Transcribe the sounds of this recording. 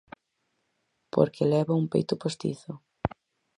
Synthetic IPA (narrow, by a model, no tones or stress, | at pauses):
po̰ɾkɪlɛβaumpḛjt̪ʊpost̪ḭθʊ